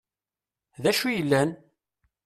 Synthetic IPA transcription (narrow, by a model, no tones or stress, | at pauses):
ðæʃujəlːæn